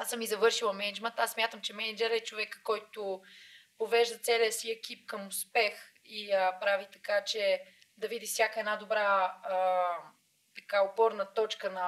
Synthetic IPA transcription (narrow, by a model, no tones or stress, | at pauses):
asəmːizɐvɤɾʃilˠɐmɛnɛd͡ʒmɛnt̪assmʲjat̪əmt͡ʃɛmɛnɛd͡ʒɛɾɛt͡ʃovɛkkɔjt̪ʊpovɛʒd̪ət̪sɛliəsiɛk̟ip̚kəmʊspɛx | iəpɾavit̪ɐkat͡ʃɛ | d̪ɐvid̪ifsʲjakəɛd̪nad̪obɾa | t̪ɐkaopɔɾnət̪ɔt͡ʃkənɐ